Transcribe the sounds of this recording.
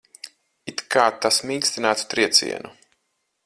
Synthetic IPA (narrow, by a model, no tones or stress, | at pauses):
it̪kaːt̪ːasmiːsʲt̪inæːt̪u̥t̪ɾiɛt̪sʲḭɛnu